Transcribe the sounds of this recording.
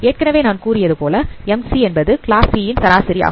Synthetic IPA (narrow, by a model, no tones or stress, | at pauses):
eːʈ̚kɐnɐʋeːnaːnkuːɾɪjɐðɯpoːlɐɛmsiɛnbɐðɯkɪɭaːsijɪnsɐɾaːsɪɾɪja̰ːɣɯm